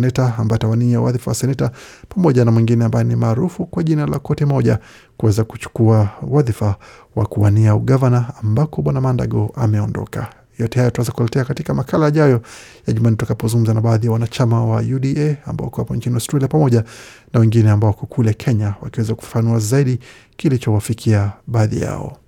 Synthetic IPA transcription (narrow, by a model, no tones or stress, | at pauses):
nɛtaambajatawaniawa̰ðifawasɛnɛtapamɔʄanamwiŋɡinɛambajɛnimaːɾufukwaʄinalakɔtɛmɔʄa | kuwɛzaku̥t͡ʃu̥kuawaðifa | wa̰kuwaniauɠavanaːmbakɔɓwanamanda̰ɠɔamɛɔndɔ̰ka̰ | jɔtɛhajɔtuawɛzakuɛlɛtɛakatikamakalajaʄajɔjaʄumanitutakapɔzuŋɡum̩zanaɓaːðijawanat͡ʃamawajuɗiɛamba̰ɔkuwapɔnt͡ʃiniaʊstɾaliapamɔʄa | nawɛŋɡinɛambaɔɔkɔkʰulɛkʰɛɲawakiwɛzaku̥fafahanuazaiɗi | kilit͡ʃɔwafikʰiaɓaːðḭja̰ɔ̰